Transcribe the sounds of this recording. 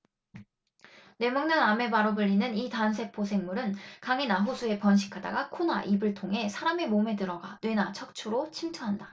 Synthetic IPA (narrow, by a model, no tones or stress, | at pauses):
ne̞mʌŋnɯname̞baɾobɯʎːinɯnitans̬ʰe̞pʰosʰe̞ŋmuɾɯnkaŋenaɦusʰue̞pʌnɕ̬ʰi̥kʰada̰ɡakʰona̰ʔibɯɭtʰoŋɦe̞sʰaɾame̞mome̞dɯɾʌɡa̰nwe̞nat͡ɕʰʌk̚t͡ɕʰuɾot͡ɕʰimtʰʌɦanda